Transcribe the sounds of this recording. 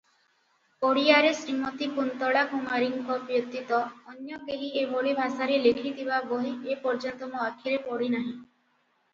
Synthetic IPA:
oɽijaɾesɾimɔt̪ikunt̪ɔɭakumaɾiŋkɔbjɔt̪ːit̪ɔːnjɔkeɦieboɭibʱasaɾelekʰit̪ʰibaboɦiepɔɾd͡ʒant̪ɔmɔakʰiɾepɔɽinaɦĩ

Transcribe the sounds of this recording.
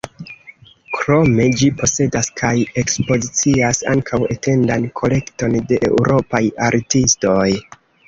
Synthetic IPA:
kɾo̞me̞d͡ʒipʰo̞se̞daskʰaje̞kspo̞zit͡siasa̰ŋkʰawe̞te̞ndankʰo̞le̞kto̞nde̞ʔḛuɾo̞pajaɾtisto̞j

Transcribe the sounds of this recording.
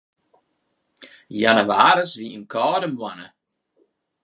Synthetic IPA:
janəʋaːɾəsʋiənkɔːdəmwanə̰

